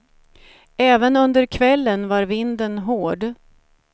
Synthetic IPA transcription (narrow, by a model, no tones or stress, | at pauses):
ɛːvənɵnd̪əɾkʰvɛlːənvaɾvɪnd̪ənɦoːɖ